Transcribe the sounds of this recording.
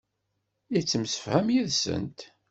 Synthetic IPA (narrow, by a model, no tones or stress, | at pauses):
it͡sːəmsə̥fhæmjiðsə̰nt̪